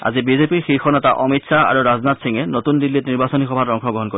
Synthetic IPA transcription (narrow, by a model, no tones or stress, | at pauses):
a̰zibizepiɹxixʰɔnɔtaʔɔmitsaa̰ɹuɾaznatsʰiŋenot̪undilːitniɹbasonixɔbʱatɔŋkʰɔɡɹɔɦɔnkoi